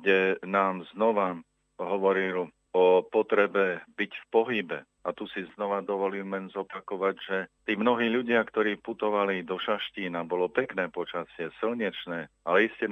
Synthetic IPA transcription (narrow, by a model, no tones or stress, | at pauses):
ɡɟɛnaːmznɔʋa | ɦɔʋɔɾil | ɔpɔt̪ɾɛbɛbicfpɔɦibɛ | at̪usiznɔʋad̪ɔʋɔliːlmɛnzɔpakɔʋaɟʒɛt̪iːmnɔɦiːʎuɟɪakt̪ɔɾiːput̪ɔʋalid̪ɔʃaʃciːnabɔlɔpɛknɛːpɔt͡ʃasɪɛsilɲɛt͡ʃnɛːalɛiscɛ